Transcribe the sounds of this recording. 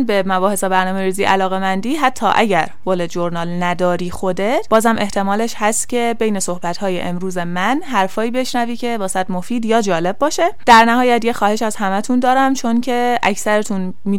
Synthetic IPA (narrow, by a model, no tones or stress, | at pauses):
nbe̞mæbɒːhe̞sebæɾnɒːme̞ɾiːziːʔælɒːɣe̞mænd̪iːɦæt̪ʰːɒ̰ːʔæɟæɾɡoled͡ʒoɾnɒːlnæd̪ɒːɾiːxo̞d̪et̪b̥ɒːzhæmʔe̞ht̪ʰe̞mɒːleʃhæst̪cʲʰe̞be̞jne̞so̞hbæt̪hɒːjḛʔemɾuːze̞mænɦæɾfɒːiːbe̞ʃnæviːcʰe̞bɒːsæd̪mo̞fiːd̪jɒːd͡ʒɒːle̞bːɒːʃe̞d̪̥æɾnæhɒːjæt̪jexɒːhe̞ʃæz̥hæmæt̪ʰund̪ɒːɾæmt͡ʃʰo̞ncʰe̞ʔæcsæɾet̪ʰun | miː